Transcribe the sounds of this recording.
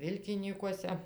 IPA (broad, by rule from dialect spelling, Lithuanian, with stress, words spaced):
ˈʋʲɪlʲkʲɪnʲiːkuɔsʲɛ